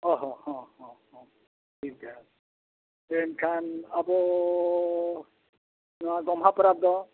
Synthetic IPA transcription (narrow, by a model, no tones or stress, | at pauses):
ɔɦɔ̃hɔ̃hɔ̃hɔ̃ | tʰikza | enkʰanabɔ | nɔaɡɔmɦapɾab̚d̪ɔ